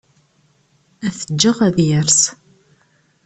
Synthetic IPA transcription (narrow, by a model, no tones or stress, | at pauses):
æθəd͡ʒːəʁæðjəɾs